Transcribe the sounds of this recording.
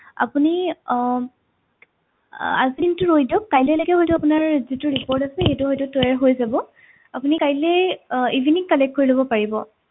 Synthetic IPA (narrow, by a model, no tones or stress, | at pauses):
a̰puni | a̰zintʊɹojdɔkːajlɛlaɡɛɦojtʊapʊnaɹzitʊɹipɔɹtasɛxetuhɔjtʊtɔjaɹɦojzabɔ | apunikajlɛivʱinikːalɛk̚koɹilobɔpaɹibɔ